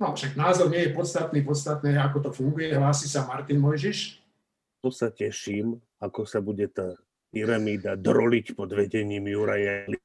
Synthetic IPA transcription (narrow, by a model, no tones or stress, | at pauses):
nɔfʃaɡnaːzɔɾɲɪɛjɛpɔt̪st̪at̪niːpɔt̪st̪at̪nɛːakɔt̪ɔfuŋɡujɛɦlaːsisamaɾt̪inmɔjʒiʃ | pɔsacɛʃiːm | akɔsabuɟɛt̪aː | piɾamiːd̪ad̪ɾɔlicpɔd̪ʋɛɟɛɲiːmjuɾajɛli